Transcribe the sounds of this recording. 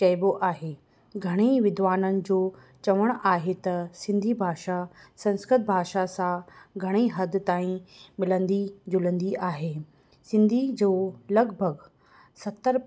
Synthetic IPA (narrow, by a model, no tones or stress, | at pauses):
t͡ɕɐjboʔaːɦeː | ɡʱɐɽ̃eʋɪd̪ʋaːnənɪ̆d͡ʑoː | t͡ɕɐʋəɽ̃aːɦet̪ɐsɪ̃nd̪ʱibʱaːʃasɐ̃nskɾɪt̪̚bʱaːʃasãɡʱɐɽ̃iɦɐd̪ɪ̆t̪aːĩmɪlə̃nd̪id͡ʑʊlə̃nd̪iʔaːɦeː | sɪ̃nd̪ʱid͡ʑoːlɐɡbʱəɡ | sɐt̪ːəɾ